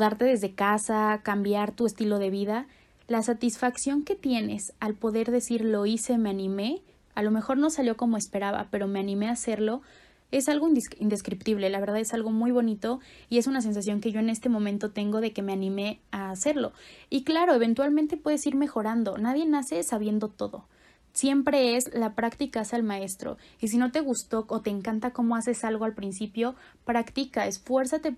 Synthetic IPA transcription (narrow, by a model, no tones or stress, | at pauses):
ðaɾt̪e̞ðe̞zðekasakambjaɾt̪ue̞st̪ilo̞ð̞e̞β̞iða | lasat̪isfaksjo̞ŋke̞t̪je̞ne̞̰salpo̞ðe̞ɾðe̞siɾlo̞ise̞me̞anĩme̞ | alo̞me̞xo̞ɾno̞saljo̞ko̞mo̞e̞spe̞ɾaβa̰pe̞ɾo̞meanĩme̞ase̞ɾlo̞ | e̞salɣo̞ind̪ind̪e̞skɾipt̪iβlelaβe̞ɾðaðe̞salɣo̞mujβo̞nit̪o̞ie̞sunas̬e̞ns̬as̬jo̞ŋke̞ʝo̞e̞ne̞st̪e̞mõmẽnt̪o̞t̪e̞ŋɡo̞ð̞e̞kemeanĩme̞aːse̞ɾlo̞̰iklaɾo̞e̞β̞e̞nt̪walmẽnt̪e̞pwe̞ð̞e̞siɾme̞xo̞ɾand̪o̞naðje̞nase̞saβ̞je̞nd̪o̞t̪o̞ðo | sje̞mpɾe̞e̞zlapɾakt̪ikasalmae̞st̪ɾo̞̰is̬ino̞t̪e̞ɣ̞ust̪o̞ːt̪eːŋkant̪ako̞mo̞as̬e̞salɣo̞alpɾinsipjo̞pɾakt̪ikaesfwe̞ɾsat̪e̞